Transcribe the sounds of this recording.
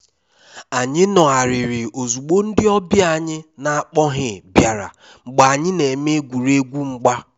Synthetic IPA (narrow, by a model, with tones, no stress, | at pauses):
a˨ɲɪ˦nɔ˨a˨ɾɪ˨ɾɪ˨o˨zu˨k͡po˦n̩˦dɪ˦ɔ˦bja˦˨ɲɪ˦na˨a˦˨k͡pɔ˦ɦɪ˨bja˨ɾa̰˨ | ŋ͡m̩˨ɡ͡ba˨ɲɪ˦ne˨me˦ɡʷu˨ɾe˦ɡʷu˦ŋ͡m̩˦ɡ͡ba˦